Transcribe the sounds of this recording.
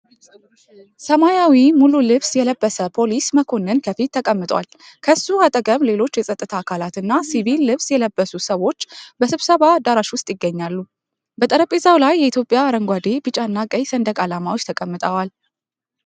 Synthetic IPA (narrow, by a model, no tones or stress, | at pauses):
səmajawimululɨβsjɛləbːəsəpʰo̞lisməkʰo̞nːɨnkʰəfit̪ʰːəkʼəmːɨt̪ʼwa̰l | kʰəsuat̪ʼəkʼəmle̞lo̞t͡ʃːjɛsʼət̪ʼːɨt̪ʰakʰalat̪ɨnːasiβilːɨβsjɛləbːəsusəwo̞t͡ʃːbəsɨβsəβad̪aɾaʃwʊst̪ʼjɪɡːəɲːalːu | bət̪ʼəɾəpʼizawlajːɛit̪ʰjo̞pʼjaːɾəŋɡʷad̪ebɨt͡ʃʼaɨnːakʼəjsənd̪əkʼalamawot͡ʃːt̪ʰəkʼəmːɨt̪ʼəwal